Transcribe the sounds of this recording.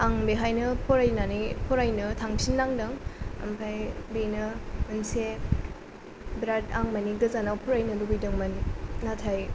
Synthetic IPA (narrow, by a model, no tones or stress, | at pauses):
aŋbeɦajnɯpʰɔɾajnanipʰɔɾajnɯtʰaŋtʰinːaŋdɐŋɐ̰mpʰajbinɯɯnse | bɾataŋmɐnik̚ɡɯzanawpʰɔɾajnɯbubijdɯŋmɐnːatʰaj